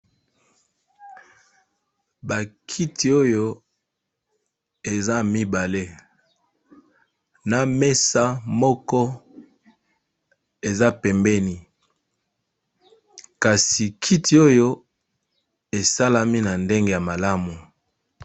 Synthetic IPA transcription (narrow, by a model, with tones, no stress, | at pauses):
ba˨kʰi˦tʰi˨o˦jo˦ | e˨za˦mi˦ba˨le˦ | na˨me˦sa˦mɔ˦kɔ˦ | e˨za˦pɛ˨mbɛ˦ni˨ | ka˨si˨kʰi˦tʰi˨o˦jo˦ | e˨sa˦la˦mi˦na˨nde˦ŋɡe˦˨ja˨ma˨la˦mu˨